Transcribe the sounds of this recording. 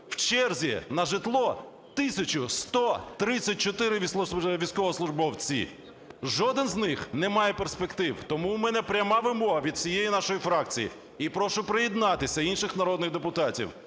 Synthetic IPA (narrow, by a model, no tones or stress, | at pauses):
w̥t͡ʃɛrzʲḭnɐʒɪt̪lˠɔ | t̪ɪsʲɐt͡ʃʊst̪ɔt̪ɾɪt͡sʲːɐt̚ʲt͡ʃɔt̪ɪɾɪʋʲisʋʲisʲkɔʋɔslˠʊʒbɔwt͡sʲḭ | ʒɔd̪ɪnznɪxnɛmɑjɛperspekt̪ɪwt̪ɔmumɛnɛpɾʲɐmɑʋɪmɔɦɐʋʲid̪sʲijejinɑʃɔjifɾɑkt͡sʲijḭ | ipɾɔʃʊpɾejɪd̪nɑt̪ɪsʲɐinʃɪxnɐɾɔd̪nɪɣd̪epʊt̪ɑtʲḭw